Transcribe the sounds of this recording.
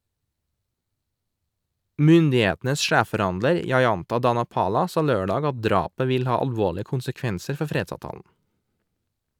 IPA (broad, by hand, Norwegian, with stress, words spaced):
ˈmʏndɪˌeːtn̩əs ˈʃæːffɔˌɾɑndləɾ jɑɪˈɑntɑ dɑnɑˈpɑːlɑ ˈsɑː ˈløːɖɑːɡ ˈɑt ˈdɾɑːpə ˈʋɪl ˈhɑː ɑlˈʋoːɭɪə kʊnsəˈkʋɛnsəɾ ˈfɔɾ ˈfɾeːdsɑːʋˌtɑːln̩